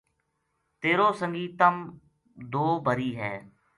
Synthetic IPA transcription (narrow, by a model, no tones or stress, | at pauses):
t̪eːɾõːsəŋɡiːt̪əm | d̪oːbəɾiːɦɛː